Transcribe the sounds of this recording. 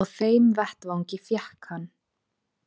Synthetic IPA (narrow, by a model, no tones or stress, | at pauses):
ɣθeːjmvɛht̪vawɲcɪfjɛhkhanː